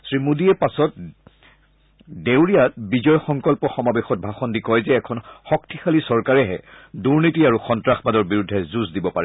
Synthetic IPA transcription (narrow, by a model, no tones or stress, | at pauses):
sɹimudiɛpasɔt̚ | dewɹijatbizɔjxɔŋkɔlpɔxɔmabɛxɔt̚bʱaxɔndikɔjzɛːkʰɔnxɔk̚tʰixalisɔɹkaɹɛɦɛ̰ | duɹnitiaɹuxɔntɹaxbadɔɹbiɹudʱːɛzuzdibɔpaɹɛ